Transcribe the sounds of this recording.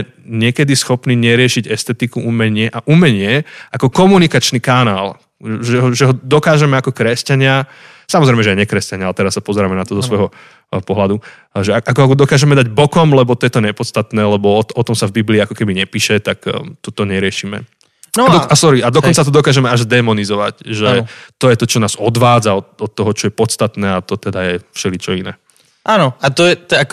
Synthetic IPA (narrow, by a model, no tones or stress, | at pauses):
ɲɪɛkɛd̪isxɔpniːɲɛɾɪɛʃiɟɛst̪ɛt̪ikuʔumɛɲɪɛʔaʔumɛɲɪɛʔakɔkɔmunikat͡ʃnikanaːl | ʒɛɦɔʒɛɦɔd̪ɔkaːʒɛmɛakɔkɾɛscaɲɪa | samɔzɾɛɪmɛʒɛɛɲɛkɾɛscaɲɪalt̪ɛɾassːapɔzɛɾamɛnat̪ɔzɔsʋɔjɦɔ | pɔɦlad̪u | ʒɛaʔakɔud̪ɔkaːʒɛmɛd̪aɟbɔkɔmlɛbɔt̪ɔjɛt̪ɔɲɛpɔt̪st̪at̪nɛːlɛbɔɔɔt̪ɔmsavbibliːakɔkɛbiɲɛpiːʃɛt̪akt̪ɔt̪ɔɲɛɾɪɛʃiːmɛ̰ | aɔasɔɾiad̪ɔkkɔnt͡sat̪ɔd̪ɔkaːʒɛmɛaʒzd̪ɛmɔnizɔʋacʒɛt̪ɔjɛt̪ɔt͡ʃɔnaːzɔd̪ʋaːd͡zaɔt̪ɔt̪ːɔɦɔt͡ʃɔjɛpɔt̪st̪at̪nɛːat̪ɔt̪ɛd̪ajɛfʃɛlit͡ʃɔinɛ̰ː | ʔaːnɔat̪ɔjɛt̪a